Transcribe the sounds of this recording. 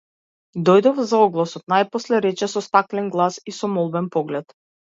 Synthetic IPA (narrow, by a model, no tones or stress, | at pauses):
d̪ɔjd̪ɔfzaɔɡlˠasɔt̪̚najpɔslɛɾɛt͡ʃɛsɔst̪aklɛnɡlˠasisɔmɔlˠbɛnpɔɡlɛt̪